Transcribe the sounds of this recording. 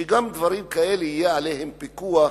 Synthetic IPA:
eɡamd̪vaɾimkaelejijeʕaleɦempikua

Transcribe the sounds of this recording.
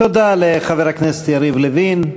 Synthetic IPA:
tod̪aleχaveʁhakneset̪jaɾʁivlevin

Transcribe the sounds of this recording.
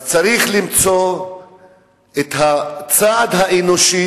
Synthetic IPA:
t͡saɾiχlimt͡so | et̪hat͡sad̪ɦaʔenoʃi

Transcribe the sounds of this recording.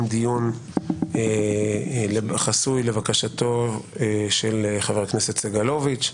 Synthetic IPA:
md̪ijun | e | leχasujle̞vakaʃat̪o̞eʃeleχaveʁekne̞se̞tseɡalovit͡ʃ

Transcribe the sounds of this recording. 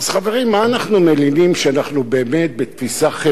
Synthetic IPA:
z̥χave̞ʁimːaːnaχnumelinimʃeanaχnube̞ːme̞t̪̚bet̪fisaχe

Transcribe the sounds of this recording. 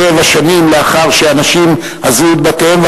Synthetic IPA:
evaʃanimleaχaʁʃeanaʃim | hazut̪̚bat̪eemv

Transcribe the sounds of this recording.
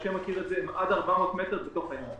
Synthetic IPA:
ʃemːakiʁetzemʔad̪aʁbamot̪met̪ebet̪o̞χajom

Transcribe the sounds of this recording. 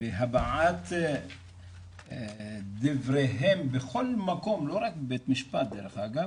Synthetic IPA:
eɦabaʕat̪ | d̪ivɾeɦembeχolmako̞mloʁak̚bbet̪miʃpat̪̚d̪eɾeχaɡa

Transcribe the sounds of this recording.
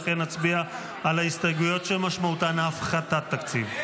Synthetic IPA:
χenːat͡sbia | alaist̪aɡujo̞tʃemaʃmaut̪anaafχat̪at̪ːakt͡sḭv

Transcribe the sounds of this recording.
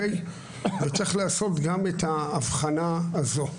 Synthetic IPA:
ej | vet͡seχlaːso̞t̪ɡame̞t̪aːvχanaːzo̞

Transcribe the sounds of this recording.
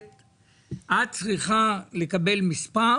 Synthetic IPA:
t̪ | ʔat̚t͡sʁiχale̞kabe̞lmispa

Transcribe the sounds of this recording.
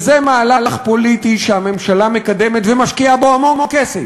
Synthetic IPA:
zemaːlalaχpo̞lit̪iʃeame̞mʃalamekad̪e̞met̪vemaʃkiaboamonmonkese

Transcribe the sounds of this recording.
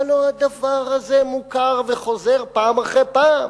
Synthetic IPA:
load̪avaʁazemukaʁveχo̞zeʁpaːmaχepam

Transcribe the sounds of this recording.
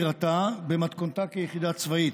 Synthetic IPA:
ʁat̪abemat̪ko̞nt̪akejeχid̪at͡svait

